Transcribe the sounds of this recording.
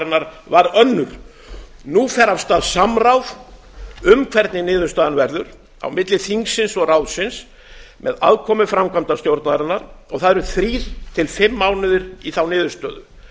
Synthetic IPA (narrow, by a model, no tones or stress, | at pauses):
ɾɪnːaɾ | vaɾœnːʏɾ̥ | nufɛɾav̥st̪aːðsamrawv | ʏmkʰvɛɾt̪nɪnɪːðʏɾst̪aːðanvɛɾðʏɾ | a̰wmɪt̪lɪθiŋksɪnsɔraːwðsɪns | mʔɛða̰ðkʰɔmʏfɾamkʰvamt̪ast̪jowɾt̪naðɾɪnːaɾɔɣθaðɛɾʏθɾiːð̥t̪ʰɪlfɪmːaːwnʏðɪɾiθawnɪːðʏɾ̥st̪œ̰ːðʏ